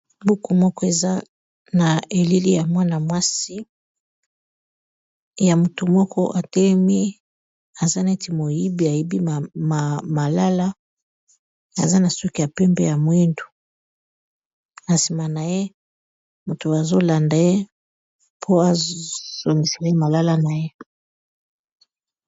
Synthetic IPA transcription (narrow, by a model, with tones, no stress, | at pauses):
bu˦ku˨mɔ˦kɔ˦e˨za˦ | na˨e˨li˦li˦ja˨mwa˦na˨mwa˦si˦ | ja˨mu˨tu˨mwɔ˦kɔ˦ʔa˨te˦mi˦ | a˨za˦na˨e˦ti˨mo˨i˦bi˦a˨i˦bi˦˨m˨ma˨la˦la˦ | a̰˨za˦na˨su˦ki˦ja˨pɛ˦mbɛ˦ja˨mwi˦ndu̥˨ | a˨si˨ma˨na˨je˦ | mu˨tu˨a˨zo˦la˨nda˨je˦ | pʰo˦a˨z̥o˨ŋɡi˨sa˨je˦ma˨la˦la˦na˨je˦